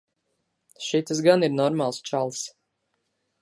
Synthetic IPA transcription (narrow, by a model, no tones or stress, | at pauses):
ʃit̪as̬ɡaniɾnɔɾmalˠst͡ʃalˠs